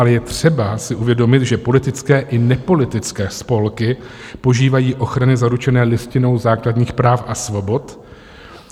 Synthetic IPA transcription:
alɛjɛt̪r̝̥ɛbasɪʔuvjɛdo̞mɪt̪ʒɛpo̞lɪt̪ɪt͡skɛːʔɪnɛpo̞lɪt̪ɪt͡skɛːspo̞lkɪpo̞ʒiːvajiːʔo̞xɾanɪzaɾut͡ʃɛnɛːlɪscɪno̞wzaːkladɲiːxpɾaːfʔasvo̞bo̞t̪

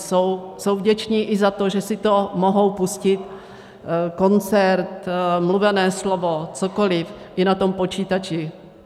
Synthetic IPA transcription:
sowsowvɟɛt͡ʃɲiːʔɪzat̪oʒɛsɪt̪omoɦo̞wpuscɪt̪ | ko̞nt͡sɛɾt̪mluvɛnɛːslovot͡sokolɪf | ʔɪnat̪o̞mpo̞t͡ʃiːt̪at͡ʃɪ

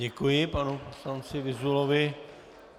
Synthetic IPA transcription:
ɛkujɪpanuposlant͡sɪvɪzulovɪ

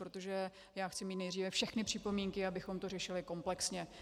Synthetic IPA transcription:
ɾot̪o̞ʒɛ | jaːxt͡sɪmiːt̪nɛjd̪riːvɛfʃɛxnɪpr̝̥ɪpo̞miŋkɪabɪxo̞mt̪o̞rɛʃɪlɪko̞mplɛksɲɛ

